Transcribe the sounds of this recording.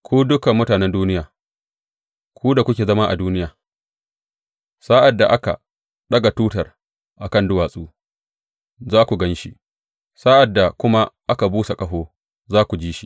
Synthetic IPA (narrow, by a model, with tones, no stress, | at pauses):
kʷuː˦dʊ˦kɐ˨mːʊ˦taː˨nɛ˦nduː˦ɪ˦jaː˨ | kʰʷuː˦da˨kʷʊ˦kʲeː˨zɐ˦ma˦ʔa̰˨duː˦nɪ˦jaː˨ | sa˦ʔa˨dːa˨ʔa˦ka̰˨ | ɗɐ˦ɡa˨tuː˦tɐ˨r | ʔa˨kɐ˦˨ndʊ˦waː˨sʼuː˦ | zaː˦kʷu˨ɡɐ˦nʃi˦ʔ | saː˦ʔa˨dːa˨kʷʊ˦ma˦ʔa˦ka˨buː˦se˨kʼɐ˦ɦoː˦ | zaː˦kʷu˨d͡ʒiː˦ʃi̥˦